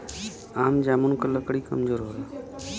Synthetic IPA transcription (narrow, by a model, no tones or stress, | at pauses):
aːmd͡ʒaːmuɳkələkɽiːkə̰md͡ʒoːɾɦoːɾa